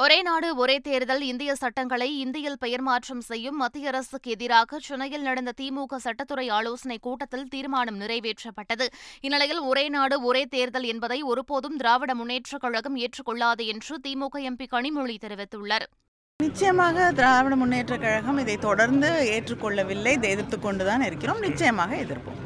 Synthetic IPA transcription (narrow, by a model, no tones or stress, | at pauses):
ɔɾeːnaːɽɯɔɾeːt̪eːɾðɐlɪnd̪ɪjɐsɐʈːɐŋɡɐɭɐɪɪnd̪ɪjɐlpɛjɐɾmaːʈrɐmsɛjːɯmːɐt̪ːɪjɐɾɐsɯkːɯɛðɪɾaːɣɐt͡ʃʊnɐjɪlnɐɽɐnd̪ɐt̪iːmuːɣɐsɐʈːɐt̪ːɯɾɐɪaːloːsɐnɐɪkːuːʈːɐt̪ːɪlt̪iːɾmaːnɐmnɪrɐɪʋeːʈrɐpːɐʈːɐðɯɪnːɪlɐjɪlɔɾeːnaːɽɯɔɾeːt̪eːɾðɐlɛnbɐðɐɪɔɾɯpoːðɯmd̪ɪɾaːʋɪɽɐmʊnːeːʈrɐkːɐɻɐɣɐmeːʈrɯkːɔɭːaːðɯɛndrɯt̪iːmuːɣɐɛmpikɐɳɪmʊɻit̪ɛɾɯʋɪt̪ːɯɭːɐɾ | nɪt͡ʃːɐjɐmaːɣɐd̪ɪɾaːʋɪɽɐmʊnːeːʈrɐkːɐɻɐɣɐmɪðɐɪt̪ɔɽɐɾnd̪ɯeːʈrɯkːɔɭːɐʋɪlːɐɪd̪eːðɪɾt̪ːɯkːɔɳɖɯt̪aːnɪɾɯkːɪɾoːmnɪt͡ʃːɐjɐmaːɣɐɛðɪɾpo̰ːm